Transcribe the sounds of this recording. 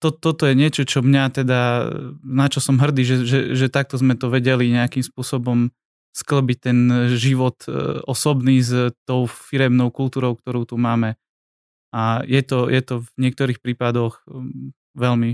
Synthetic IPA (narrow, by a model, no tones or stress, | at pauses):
t̪ɔt̪ːɔt̪ɔjɛɲɪɛt͡ʃɔt͡ʃɔmɲat̪ɛd̪a | nat͡ʃɔsɔmɦr̩d̪iːʒɛʒɛʒɛt̪ak̚t̪ɔzmɛt̪ɔʋɛɟɛliɲɛakimspʊɔsɔbɔm | skl̩bic̚t̪ɛnʒiʋɔt̪ɔsɔbniːzt̪ɔʊfiɾɛmnɔʊkult̪uːɾɔʊk̚t̪ɔɾɔʊt̪umaːmɛ | ajɛt̪ɔjʔɛt̪ɔvɲɪɛk̚t̪ɔɾiːxpɾiːpad̪ɔɣ | ʋɛlmi